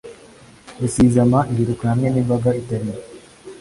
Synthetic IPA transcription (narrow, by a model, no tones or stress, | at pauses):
usiːzɐmaːɦiɾukɾaːmeniʋɐɡait̪ɐɾi